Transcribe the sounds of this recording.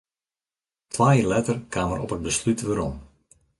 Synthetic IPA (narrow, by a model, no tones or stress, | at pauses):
tʰʋaːjiːrlɛtərkʰaːmərɔpɦət̚bəslytʋəɾɔm